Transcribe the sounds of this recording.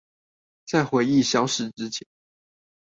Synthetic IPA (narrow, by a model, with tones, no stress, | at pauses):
t͡sa˥˩ɪxwe˧˥ɪi˥˩ɕjɑ˥ʊʂɻ̩˧˥ʈ͡ʂɻ̩˥t͡ɕʰjɛ˧˥˦n